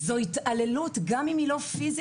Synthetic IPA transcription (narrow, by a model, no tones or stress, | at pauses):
zo̞it̪ale̞lut̪ɡamimilo̞fiz